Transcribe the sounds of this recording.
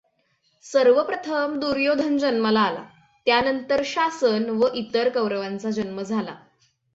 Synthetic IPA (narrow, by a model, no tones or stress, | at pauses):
səɾʋəpɾət̪ʰəmd̪uɾjod̪ʱənd͡ʑənməlaːla̰ | t̪janənt̪əɾɕasənʋəʔit̪əɾkəwɾəʋant͡sad͡ʑənməd͡zʱala̰